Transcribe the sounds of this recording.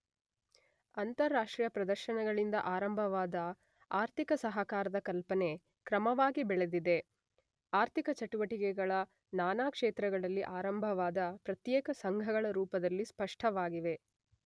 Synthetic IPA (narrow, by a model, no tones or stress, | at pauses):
ɐnt̪ɐɾːaːʂʈɾijɐpɾɐd̪ɐɾʃɐnɐɡɐɭind̪ɐ̰ʔaːɾɐmbʱɐʋaːd̪ɐ | aːɾt̪ʰikɐsɐɦɐkaːɾɐd̪ɐkɐlpɐne̞ | kɾɐmɐʋaːɡibɛɭed̪id̪e̞ | aːɾt̪ʰikɐt͡ʃɐʈuʋɐʈikɛɡɐɭɐ | naːnaːkʂeːt̪ɾɐɡɐɭɐlːiʔaːɾɐmbʱɐʋaːd̪ɐpɾɐt̪jɛːkɐsɐŋɡʱɐɡɐɭɐɾuːpɐd̪ɐlːispɐʂʈʰɐʋaːɡiʋe̞